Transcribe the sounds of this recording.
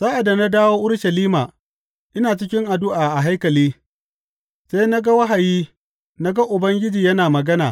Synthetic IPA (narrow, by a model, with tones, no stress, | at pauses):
saː˦ʔa˨da˨na˦daː˦woː˦ʔʊ˦ɽʃɐ˨liː˦maː˨ | ʔɪ˦naː˨t͡ʃɪ˦kʲɪ˦ŋʔa˨dʊ˦ʔaː˨ʔa˨ɦa˦jkɐ˨liː˦ | se˦jna˦ɡa˦wɐ˦ɦa˨jiː˦ | na˦ɡa˦ʔʊ˨bɐ˦ŋɡʲɪ˦d͡ʒiː˨jɐ˦naː˨mɐ˨ɡɐ˦na̰ː˨